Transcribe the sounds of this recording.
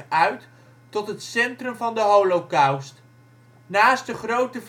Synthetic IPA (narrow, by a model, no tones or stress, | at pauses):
œɥt | tɔtɦətsɛntrəmvɑndəɦowlokawst | naːst̚dəχrowtəv